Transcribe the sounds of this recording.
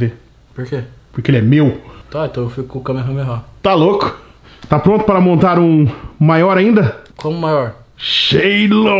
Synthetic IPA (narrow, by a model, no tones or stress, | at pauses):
ve | poɾkepʊɾkeelɪɛmewt̪aẽt̪ɐ̃w̃ewfikʊkʊkɐ̃meɦɐ̃meɦat̪alokʊ̥ | t̪apɾõnt̪ʊpaɾɐmõnt̪aɾũmajɔɾaĩnd̪ɐkõmʊ̃majɔɾ | ʃejlo